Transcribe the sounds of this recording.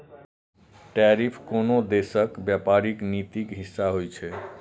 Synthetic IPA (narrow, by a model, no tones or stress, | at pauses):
ʈaɾipʰkonod̪esəkbjapaɾiknit̪ikɦisːaɦojt͡ʃʰɛ